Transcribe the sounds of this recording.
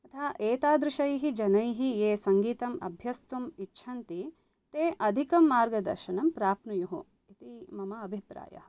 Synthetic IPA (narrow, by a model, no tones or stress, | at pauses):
ɐt̪ʰaːʔeːt̪aːd̪ɾɪʃɐjɦid͡ʒɐnɐjɦieːsɐŋɡiːt̪ɐmɐ̰bʱjɐst̪umitːʃʰɐnt̪i | t̪eːʔɐd̪ʱikɐmːaːɾɡɐd̪ɐ̰ɾʃɐnɐmpɾaːpnujuɦu | it̪imɐmɐːbʱipɾa̰ːjɐ̰ɦɐ